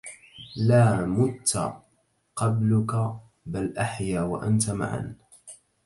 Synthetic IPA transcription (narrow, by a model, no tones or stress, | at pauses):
laːmʊt̪ːa̰ | qɑblʊka | balʔaħjaːwaʔant̪ama̰ʕa̰n